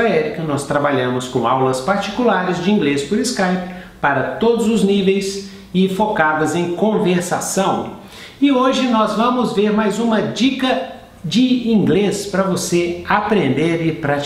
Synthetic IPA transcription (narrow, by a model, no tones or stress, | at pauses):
aɛɾikɐnɔst̪ɾabaʎɐ̃mʊskõawlɐspaɾt͡ʃi̥kulaɾɪzd͡ʒɪĩŋɡlespʊɾɪskajp | paɾɐt̪od̪ʊzʊznivejs | ɪfokadɐzẽj̃kõveɾsasɐ̃w̃ | ɪoʒɪnɔzvɐ̃mʊzveɾmajzũmɐd͡ʒikɐ | d͡ʒɪĩŋɡlespɾɐvoseapɾẽnd̪eɾɪpɾat͡ʃ